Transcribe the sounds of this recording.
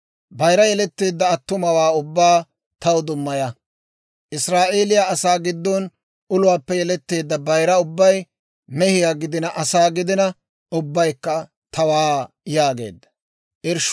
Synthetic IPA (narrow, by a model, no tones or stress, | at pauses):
bɐjɾɐjɛlɛt̪ːeːd̪ːɐːt̪ːʊmɐwaːʊbːaː | t̪ɐwd̪ʊmːɐjɐ | ʔɪsɾaːʔeːlɪjaɐsaːɡɪd̪ːon | ʊlʊwaːpːɛjɛlɛt̪ːe̞ːd̪ːɐbɐjɾɐʊbːɐj | mɛhɪjaːɡɪd̪ɪnɐʔɐsaːɡɪd̪ɪnɐ | ʊbːɐjkːɐ | t̪ʰɐwaː | jaːɡe̞̰ːd̪ːɐ̥ | ʔɪɾʃ